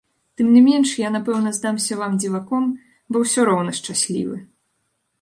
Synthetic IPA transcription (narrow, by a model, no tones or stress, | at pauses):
t̪ɨmnʲɨmʲɛnʂjanapɛwnɐzd̪amsʲɐvamd͡zʲivakɔm | bɔwsʲɔɾɔwnɐʂt͡ʂasʲlʲḭvɨ